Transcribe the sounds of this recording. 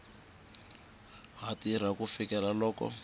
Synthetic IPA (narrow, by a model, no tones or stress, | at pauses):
ɦatiɾ̤akufikɛlalɔːkɔ̰